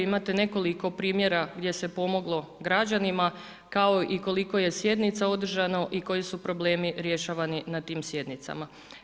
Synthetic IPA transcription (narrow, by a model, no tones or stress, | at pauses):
imat̪ene̞ko̞liko̞pɾiːmje̞ɾaɡd̪je̞se̞po̞mo̞ɡlˠo̞ɡɾad͡ʑanima | kao̞ʔiko̞liko̞je̞sje̞d̪nit̪sao̞d̪r̩ʒanoʔiko̞jisupɾo̞ble̞ːmiɾje̞ʃaːʋaninat̪iːmsje̞d̪nit̪sa̰ma